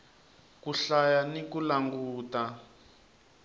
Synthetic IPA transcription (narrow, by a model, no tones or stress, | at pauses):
kuɬajanikulaŋɡuːta